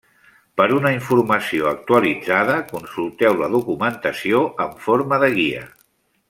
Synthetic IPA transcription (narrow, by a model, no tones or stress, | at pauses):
pəɾunəiɱfurməsioək̚t̪uəlid͡zaðəkunsulˠt̪ɛwləðukumənt̪əsioʔəɱfoɾməðəɣ̞iə̰